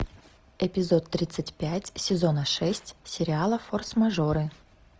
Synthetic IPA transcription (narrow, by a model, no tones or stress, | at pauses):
ɪpʲɪzo̞t̪ːɾʲit̪sɨtʲpʲætʲsʲɪzo̞nəʂɛsʲtʲsʲɪɾʲɪalˠəforsmɐʐoɾɨ